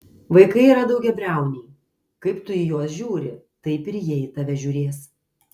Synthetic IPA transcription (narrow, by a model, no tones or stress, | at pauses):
ʋɐɪkɐɪiːɾɐd̪ɐʊɡʲɛbʲɾʲæˑʊnʲɛː | kɐɪpt̪ʊɪjuɔsʒʲuːɾʲɪ | t̪ɐɪpɪɾjiɛjt̪ɐʋʲɛʒʲʊːɾʲeːs